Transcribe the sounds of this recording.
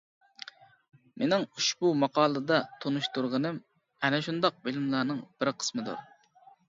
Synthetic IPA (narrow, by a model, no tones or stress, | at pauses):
menɪŋuʃbumɑqʰɑːlˠɨd̪ɑt̪ʰonuʃt̪uɾʁənɨm | ɛnɛʃund̪ɑq̚bɪlɪmlˠɑːnɨŋb̥ɪɾqʰə̥smɨd̪ṵɾ